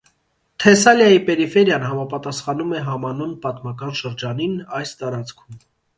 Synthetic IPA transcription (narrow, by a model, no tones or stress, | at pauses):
t̪ʰɛsɑljɑjipɛɾifɛɾjɑnɦɑmɑpɑt̪ɑsχɑnumɛɦɑmɑnunpɑt̪mɑkɑnʃəɾd͡ʒɑninɑjst̪ɑɾɑt͡sʰkʰum